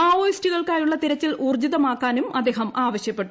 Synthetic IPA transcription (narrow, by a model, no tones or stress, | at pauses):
aːoːjistiɣɐɭkaːjuɭːɐt̪iɾɐt͡ɕːiluːrd͡ʑiðɐmaːkːaːnumɐ̰d̪ːe̞ːɦɐmʔaːʋɐɕjɐpːe̞ʈːu